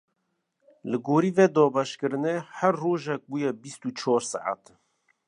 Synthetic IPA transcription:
lɨɡoːɾiːvɛd̪ɔːbɛʃkɨɾɨnɛhæɾːoːʒɛk̚buːjɛbist̪ut͡ʃʰɔːɾsa̰ʕa̰t̪

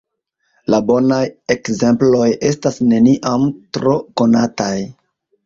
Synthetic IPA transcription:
labo̞naje̞kze̞mplo̞je̞stasne̞niʔamtɾo̞ko̞nataj

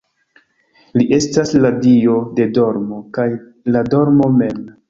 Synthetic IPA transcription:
liʔe̞stasladio̞de̞do̞ɾmo̞kaj | lado̞ɾmo̞me̞m

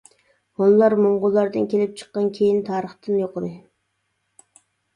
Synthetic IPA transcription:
honlˠɑɾmoɴʁʊlˠːɑɾd̪ɨnkʲʰelɪp̚t͡ʃʰə̥qːɑnkʲʰejint̪ʰɑːɾəχt̪ɨnjoqəd̪ɨ

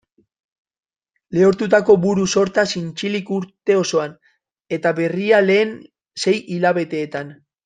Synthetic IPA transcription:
leo̞ɾt̪ut̪ako̞βuɾuso̞ɾt̪asint͡ʃilikuɾt̪e̞o̞so̞an | e̞t̪aβe̞riale̞ːn | se̞jʔilaβe̞t̪e̞ːt̪an

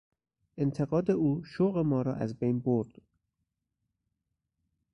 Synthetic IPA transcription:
ʔent̪ʰe̞ɣɒːd̪euːʃoɣemɒːɾɒːʔæzbejnboɾd̪̥

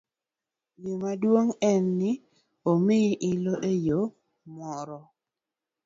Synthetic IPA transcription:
jomadwoŋɛnːɪ | omɪʔɪloʔejo | mɔɾɔ

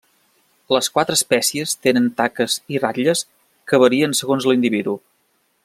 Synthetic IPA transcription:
ləskwat̪ɾəːspɛsiəst̪enənt̪akəziraʎəs | kəβəɾiənsəɣonzlind̪iβiðu

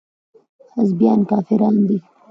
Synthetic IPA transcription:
hazbjɑːnkɑːfɪɾɑːnd̪i

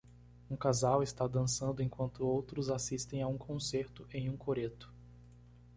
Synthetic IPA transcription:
ũkazawɪst̪ad̪ɐ̃sɐ̃nd̪ʊẽj̃kwɐ̃nt̪ʊowt̪ɾʊzasist̪ẽj̃aũkʰõseɾt̪ʊʔẽj̃ũkʰoɾet̪ʊ̥

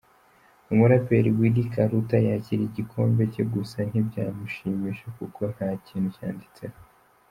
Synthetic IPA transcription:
umuɾapeɾiɡwidikʰaɾutajaciɾiɟikʰo̞ːmbe̞ceɡusan̥ibɟaːmuʃiːmiʃekukʰo̞n̥haːciːn̥huca̰ːndit͡se

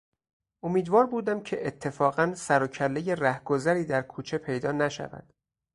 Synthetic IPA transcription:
o̞miːd̪vɒːɾbuːd̪æmcʰe̞ʔet̪ʰːe̞fɒːɣænsæɾocʰælːeje̞ræhɡ̥o̞zæɾiːd̪æɾkʰuːt͡ʃʰe̞pʰe̞jd̪ɒːnæʃæ̰væ̰d̪̥

